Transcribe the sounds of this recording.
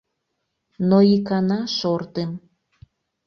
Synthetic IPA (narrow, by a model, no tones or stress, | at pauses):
noikɑnɑʃort̪em